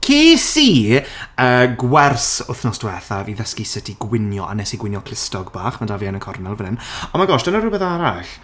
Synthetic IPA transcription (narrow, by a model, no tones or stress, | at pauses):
kʰeːsiːəːɡwɛrsʊθnɔsd̥wɛθaviðəskisɪtʰiɡwɪnjɔ̰ʔa̰nɛsiɡwɪnjɔkʰlɪstɔɡbaːχmadavjanəkʰɔrnɛlˠvənɪnɔnmaɡɔʃd̥ənəɾubɛðaɾaɬ